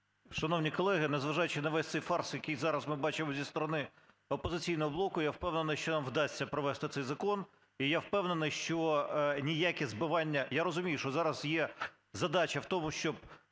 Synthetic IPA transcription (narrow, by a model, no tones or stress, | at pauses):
ʃɐnownʲikɔlˠɛɦɪnezʋɐʒɑjʊt͡ʃɪnɐʋɛsʲt̪ʲsɛjfɑrsjɐkɪjzɑɾɐsmɪbɑt͡ʃɪmɔzʲist̪ɔɾɔnɪ | ɔpɔzɪt͡sʲijnɔɦɔblˠɔkʊjawpɛwnenɐjʃt͡ʃɔnɑmwd̪ɑsʲt͡sʲːɐpɾɔʋɛst̪ɪt̪sɛjzɐkɔn | ijawpɛwnenɨjʃt͡ʃɔnʲijakʲɛzbɪʋɑnʲːɐjaɾɔzʊmʲijʊʃɔzɑɾɐsjɛ | zɐd̪ɑt͡ʃɐwt̪ɔmʊʃt͡ʃɔb̚